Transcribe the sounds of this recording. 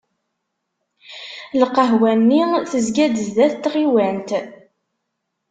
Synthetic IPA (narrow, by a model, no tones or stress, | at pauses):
lqːəɦwænːiθəzɡæd̪əzðæθt̪ːʁiwænt̪